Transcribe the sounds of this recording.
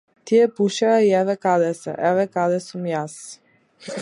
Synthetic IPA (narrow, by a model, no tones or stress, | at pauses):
t̪ijɛpuʃɛaiɛvɛkad̪ɛsɛ̰ʔɛvɛkad̪ɛsumjas